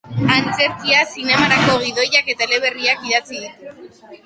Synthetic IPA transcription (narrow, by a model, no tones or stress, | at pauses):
ant͡se̞ɾkiasine̞maɾako̞ɣ̞iðo̞jake̞t̪aele̞β̞e̞riakiðat͡siðut̪